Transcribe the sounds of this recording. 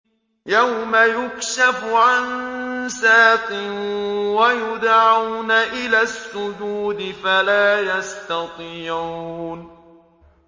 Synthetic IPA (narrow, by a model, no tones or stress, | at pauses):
jawmajʊkʃafʊʕansaːq̪ɪnwajʊd̪ʕawnaʔɪlaːsːʊd͡ʒuːd̪ɪfalaːjɑst̪ɑt̪ˤiːʕuuːn